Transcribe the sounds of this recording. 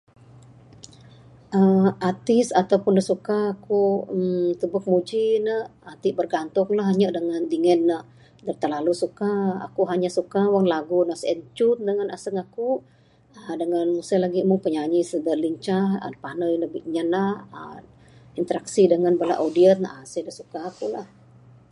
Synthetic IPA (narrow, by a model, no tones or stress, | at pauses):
ʔəmat̪ɪsat̪awpʊndəsukaːkumt̪əbʊk̚mud͡ʒinəat̪iʔbərɡant̪ʊŋlaɦaɲəʔdəŋandiŋənːəh | dət̪ərlalusukaa̰kuɦaɲasukawaŋlaɡunəsɛnt͡ʃʊn̚dəŋanasəŋaku | ədəŋanmusajlaɡimʊŋpəɲaɲisədəliɲt͡ʃahə̰panəjnəbɪʔɲanahə̰ | int̪əɾaksidəŋanbəla̰ʔodiən̚ʔasəhdəsukaːkulah